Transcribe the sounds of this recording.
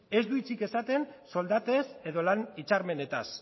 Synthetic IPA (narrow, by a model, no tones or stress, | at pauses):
e̞zd̪uit͡sike̞sat̪e̞nso̞ld̪at̪e̞se̞ðo̞lanit͡ʃaɾme̞ne̞t̪as